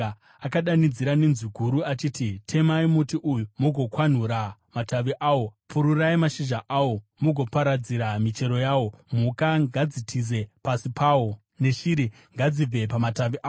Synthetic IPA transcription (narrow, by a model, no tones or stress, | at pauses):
akaɗanid͡ziɾanenziɡʱuɾuat͡ʃiːtitʰe̞maimutiʔujumuɡʱo̞kwan̤uɾamataʋiʔaːwo̞pʰuɾuraimaʃiʒaʔawo̞muɡʱo̞paɾad͡ziɾamit͡ʃe̞ɾo̞jaːwo̞m̤ukaŋɡad͡zitʰize̞pasipaːwo | ne̞ʃiɾi | ŋɡad͡zib͡ve̞pamataʋiʔa